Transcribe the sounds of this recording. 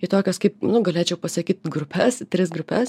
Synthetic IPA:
ɪt̪oːkʲoːskɐɪp̚nʊɡɐlʲeːt͡ʃʲɛʊpɐsɐkʲiːt̪ɡɾʊpʲʰɛst̪ʲɾʲɪsɡɾʊpʲɛs

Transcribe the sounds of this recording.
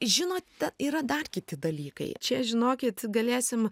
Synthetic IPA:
ʒʲɪnoːt̪t̪ʲɛniːɾɐd̪ɐrkʲɪt̪ʲɪd̪ɐlʲiːkɐ̰ɪt͡ʃʲɛʒʲɪnoːkʲɪt̪ɡɐlʲeːsʲɪm

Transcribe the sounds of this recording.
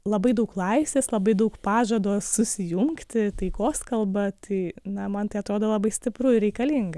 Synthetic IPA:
lˠɐbɐɪd̪ɐʊklˠɑɪsʲeːslˠɐbɐɪd̪ɐʊkpɑːʒɐd̪oːssʊsʲɪjʊŋkt̪ʲɪt̪ɐɪkoːskɐlˠbɐt̪ʰɐɪnɐmɐnt̪ɐɪɐt̪ɾoːd̪oːlˠɐbɐɪsʲt̪ʲɪpɾʊɪɾʲɛɪkɐlʲiŋɡɐ

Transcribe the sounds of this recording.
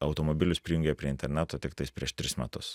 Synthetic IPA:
ɐʊt̪oːmoːbʲɪlʲʊspʲɾʲɪjʊŋʲɡʲepʲɾʲiɛɪnʲt̪ʲɛɾʲnʲæt̪oːt̪ʲɪkt̪ɐɪspʲɾʲiɛʃt̪ʲɾʲɪsmʲæ̰t̪ʊs

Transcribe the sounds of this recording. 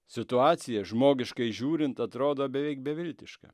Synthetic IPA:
sʲɪt̪ʊɑːt̪sʲɪjɛʒmoːɡʲɪʃkɐɪʒʲuːɾʲɪnt̪ɐt̪ɾoːd̪oːbʲɛʋʲɛɪk̚bʲɛʋʲɪlʲt̪ʲɪʃkɐ̰

